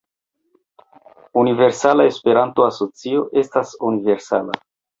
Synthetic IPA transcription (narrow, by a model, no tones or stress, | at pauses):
unive̞ɾsalae̞spe̞ɾanto̞aso̞t͡sio̞ʔe̞stasunive̞ɾsa̰la̰